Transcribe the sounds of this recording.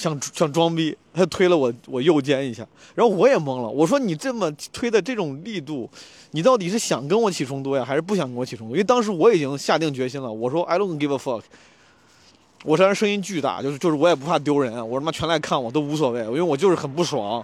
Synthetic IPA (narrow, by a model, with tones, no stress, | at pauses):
ɕjɑ˥˩ŋʈ͡ʂɕjɑ˥˩ŋʈ͡ʂwɑ˥ŋpi˥a˥˧˩tʰwe˥ɪlə˨wɔ˨˩wɔ˨˩jo˥˩ʊt͡ɕjɛ˥ni˧˥ɕja̰˥˩ | ɻa˧˥xo˥ʊwɔ˧˥jɛ˨˩mɤ˧˥ŋlə̰˨wʔɔ˨˩ʂwɔ˥ni˨˩ʈ͡ʂɤ˥˩mə˨˩t̪ʰwe˥ɪd̪ə˨ʈ͡ʂɤ˥˩ʈ͡ʂʊ˨˩ŋli˥˧t̪u˥˩ | ni˨˩t̪̬ɑ˥˩ʊt̪i˨˩ʂɻ̩˥˩ɕjɑ˨˩ŋkə˥nwɔ˧˥t͡ɕʰi˨˩ʈ͡ʂʰʊ˥ŋt̪u˥˩ja˨xa˧˥ɪʂɻ̩˥˧p̬u˥˩ɕjŋkə˥nwɔ˧˥t͡ɕʰi˨˩ʊ˥t̪u˧˥˧t̪ɑ˥ŋʂ̬ɻ̩˧˥wɔ˧˥i˨˩t͡ɕi˥ŋɕja˥˧t̪̬i˥˩ŋt͡ɕɥɛ˧˥ɕi˥nlə˨wɔ˨˩ʂwɔ˥ʔa˥ɪlŋ˥ŋkwə˧˩fə˥˩kʰ | wɔ˨˩ʂwɻa˥ʂɤ˥ŋi˥nt͡ɕy˥˧t̪a̰˥˩t͡ɕjo˥˧ʊʂjo˥˧ʊʂɻ̩˥˧wɔ˧˥jɛ˨˩pu˧˥pʰa˥˩t̪jo˥ʊɻə˧˥nwɔ˨˩˥a˥˩t͡ɕʰɥɛ˧˥nla˧˥ɪkʰa˥˩nwɔ˨˩t̪o˥ʊu˧˥s̬wɔ˨˩we˥˩ɪi˥we˥˧wɔ˨˩t͡ɕjʊʂɻ̩˥˩xə˨˩np̬u˥˩ʂwɑ˧˥˦ŋ